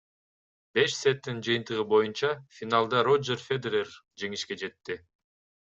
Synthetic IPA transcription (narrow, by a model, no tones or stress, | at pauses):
be̞ʃset̪ːind͡ʒɯjɯnt̪ɯʁɯbo̞junt͡ʃɑfʲinalˠd̪ɑɾo̞d͡ʒerfʲed̪eɾerd͡ʒe̞ŋiʃke̞d͡ʒe̞t̪ːɪ